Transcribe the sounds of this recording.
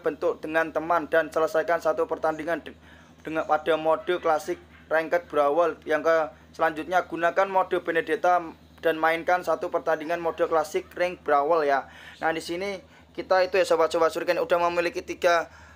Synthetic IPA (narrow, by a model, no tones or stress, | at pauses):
b̥ənt̪ʊk̚d̥əŋant̪əmand̥ansələsajkansat̪upərt̪andiŋan | d̥əapad̥a̤mod̥ɔklasɪk̚ | rɛŋkət̪̚b̥ɾawəljaŋkə | səlaɲd͡ʒut̪̚ɲaɡ̥unakanmod̥ɔ̤b̥ened̥et̪a | d̥a̤nmaɪnkansat̪upərt̪andiŋanmod̥ɔklasɪk̚rɪŋb̥ɾawəljanadisini | kit̪ait̪ujasəwasuwasuɾkanud̥ahməmilikit̪iɡ̥a